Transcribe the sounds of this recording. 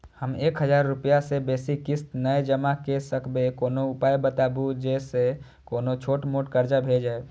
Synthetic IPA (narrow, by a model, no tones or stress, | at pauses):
həmeːkɦəd͡ʒaːɾːupijasebeːsikɪst̪nəed͡ʒəmakesəkʰbekoːnoʊpaːjbət̪abud͡ʒese | koːnot͡ʃʰoːʈmoːʈkəɾd͡ʒabʱeld͡ʒaːe